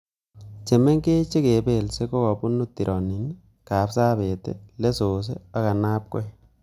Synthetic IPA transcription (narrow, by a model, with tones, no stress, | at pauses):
t͡ʃe˨mɛ˦ŋke˦t͡ʃe˦ke˨be˨lse˦ko˦kɔ˨pu˦nu˦ti˨ɾʔɔ˨ni˨n | ka˨psa˦be˨tḛ˦le˦so˨s̬ḛ˦a˦ka˨na˦p̚kɔ̰˦j